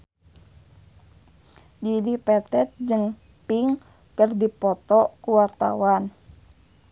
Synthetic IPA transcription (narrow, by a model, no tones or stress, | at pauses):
d͡ʒidipɛt̪ɛt̪̚d͡ʒɨŋ | piŋ | kərdipɔt̪ɔkuwart̪a̰wan